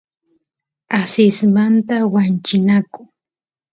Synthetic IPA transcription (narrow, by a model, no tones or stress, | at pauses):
asɪsmant̪awant͡ʃɪnakʊ